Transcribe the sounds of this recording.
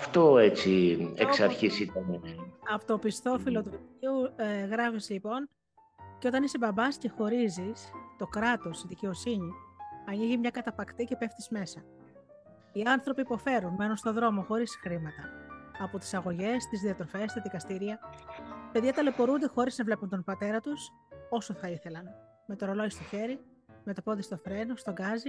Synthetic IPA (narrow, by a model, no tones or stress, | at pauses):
ɐft̪o̞e̞t͡sieksɐɾçisit̪ɐneɐpot̪o̞pist̪o̞filot̪uiueɣɾɐfislipo̞n | ceo̞t̪ɐnisebɐmbɐsce̞xo̞ɾizist̪o̞kɾɐt̪o̞siðice̞o̞siɲiɐniʝimɲɐkɐt̪ɐpɐkt̪ice̞pe̞ft̪izme̞sɐ | iɐnθɾo̞piːpo̞fe̞ɾunme̞nunst̪o̞ðɾo̞mo̞xo̞ɾisxɾimɐt̪ɐːpo̞t̪i̥sɐɣo̞ʝe̞st̪izðiɐt̪ɾo̞fe̞st̪ɐðikɐst̪iɾiɐ | peðjiɐt̪ɐlebo̞ɾund̪e̞xo̞ɾiznɐvle̞punt̪o̞nbɐt̪e̞ɾɐt̪us | o̞soθɐiθe̞lɐn | me̞t̪o̞ɾoloist̪o̞çe̞ɾi | met̪o̞po̞ðist̪o̞θɾe̞nost̪o̞ɡɐzi